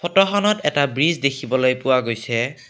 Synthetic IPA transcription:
pʰɔtɔxɔnɔtɛtabɹizdekʰibɔlojpʊwaɡojsɛ

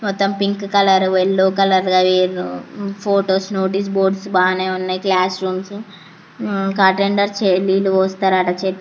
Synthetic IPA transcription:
mɔt̪ːɐmpiŋkkɐlɐɾʋelːoːkɐlɐɾɡɐʋiːɾupʰoːʈoːsnoːʈiːs̬boːɾɖsbaːneːunːaːjiklaːsɾuːms | kaːʈeɳɖɐɾt͡ʃeliːluʋoːst̪ɐɾaːʈɐt͡ʃeːt̪ː

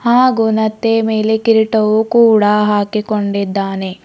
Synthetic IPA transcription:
haːɡunɐt̪ːemeːlekiɾiʈɐwukuːɽaɦaːkikoɳɖid̪ːaːne

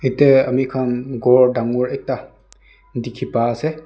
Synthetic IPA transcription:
iteamikʰanɡɔɹdaŋɔɹɛk̚ta | dikʰipaːsɛ

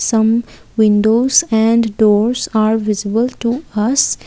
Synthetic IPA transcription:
sʌ̃m | ʋɪ̃ɳɖoːzɛ̃ɳɖɖoːɾzaːɾʋɪzɪbəlʈuʌs

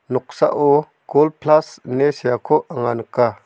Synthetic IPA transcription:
nɔk̚sa̰ʔo | ɡ̥olpʰlasnesijakʰoʔəŋanka

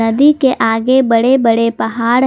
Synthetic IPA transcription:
ɐd̪ikeʔaːɡebɐɽebɐɽepɐɦaːɽ

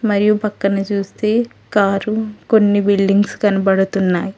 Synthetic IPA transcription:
mɐɾijupɐkːɐnɐt͡ʃuːst̪e̞ː | kaːɾukonːibilɖiŋɡskɐnipɐɽut̪unːaːji

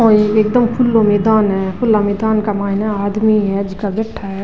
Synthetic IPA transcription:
ɔːeeːk̚d̪əmpʰʊlomeːd̪aːnɦɛpʰʊlːameːd̪aːnkamaːɦɪnaaːd̪miɦɛd͡ʒɪkabɛʈʰːaɦɛ

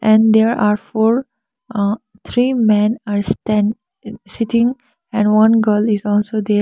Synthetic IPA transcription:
ʔɛ̃ɳɖd̪eːɾaːɾfoːɾ | t̪ʰɾiːmẽnaːɾsʈɛ̃n | sɪʈɪ̃ŋ | ɛ̃ɳɖʋʌ̃nɡəlɪzɔːlsod̪eː

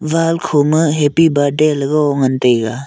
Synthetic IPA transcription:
balkʰomɯɦepibadelɡɯɔŋɐntejɡa

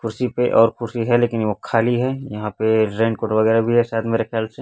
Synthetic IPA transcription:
kʰʊɾsipeʔɔːɾkʰʊɾsiɦɛleːkɪnʋokʰaːliɦɛjɐɦãpeɾẽːɳkoːʈʋɐɡɛːɾabʱiɦɛsaːt̪meːɾexjaːlse

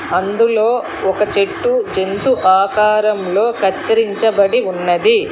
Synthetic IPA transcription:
ɐnd̪ulo̞ː | ɔkɐt͡ʃe̞ʈːud͡ʒe̞nt̪uʔaːkaːɾɐmlo̞ːkɐt̪ːɾiɲt͡ʃɐbɐɽiunːɐd̪i

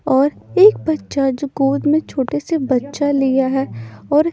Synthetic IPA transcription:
ɔːɾeːk̚bɐtːʃad͡ʒoɡoːd̪mẽt͡ʃʰoːʈesebɐtːʃalijaɦɛːɔːɾ

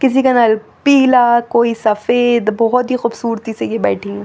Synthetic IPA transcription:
kɪs̬ikanaːl | piːlakoːisɐfeːd̪bɔɦɔt̪ɦixʊbsuːɾt̪isejebɛːʈʰĩẽ

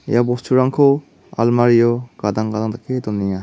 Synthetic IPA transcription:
ḛjabɔstʰuɾaŋkʰɔ | a̰lmaɾijɔkad̪aŋɡad̪aŋt̪akʰet̪ɔnːija

